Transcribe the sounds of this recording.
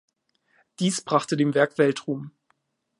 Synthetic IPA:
d̥iːsb̥ʁaχtədeːmvɛɐkv̥ɛltʁ̥uːm

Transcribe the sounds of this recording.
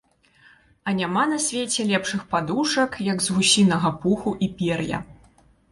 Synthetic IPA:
ɐnʲamanɐsʲvʲet͡sʲɛlʲɛpʂɨxpad̪uʂɐkjɐɡzɣusʲinɐɣɐpuxuʔipʲɛrjɐ̰

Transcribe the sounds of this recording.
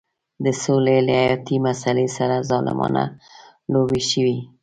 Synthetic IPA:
d̪əsolelaajɑt̪imasalesaɾazɑlɪ̰mɑ̰na̰ | lobeʃəwi

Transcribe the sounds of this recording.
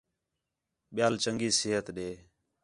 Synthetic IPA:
ɓɪjaːlt͡ʃəŋɡiːsɪːɦət̪ɗeː

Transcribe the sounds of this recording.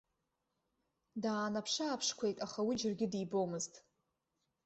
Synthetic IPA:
daːnapʰʂaːpʰʂkʷʰe̞jtʼaχawid͡ʒɪrɡʲɪdibo̞mɨztʼ

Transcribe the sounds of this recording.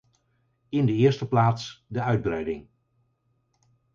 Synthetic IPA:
ɪndəɪːɹstəplaːtsdəœɥd̚brɛjdɪŋ

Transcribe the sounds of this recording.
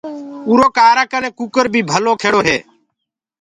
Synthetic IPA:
uːɾoːkaːɾaːkəneːkuːkəɾbʱiːbʱəloːkʰeːɽoːɦeː

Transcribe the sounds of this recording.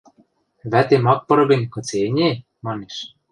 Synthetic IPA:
βæt̪emɑk̚pɤ̆ɾɤ̆benʲkɤ̆t͡senʲe | mɑneʃ

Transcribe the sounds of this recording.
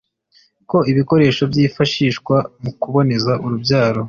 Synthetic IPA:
ko̞iβiko̞ɾe̞ːʃo̞bjiːfaʃiːʃkwamukuβo̞ne̞zaʔuɾubɟaːɾo̞

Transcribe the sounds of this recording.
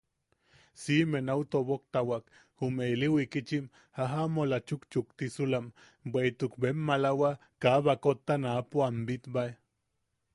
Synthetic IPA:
simenawt̪oβok̚t̪awak | humeiliwikit͡ʃim | haɦamolat͡ʃukt͡ʃuk̚t̪isulam | beit̪ukbemːalawa | kaβakot̪ːanapoambit̪bae

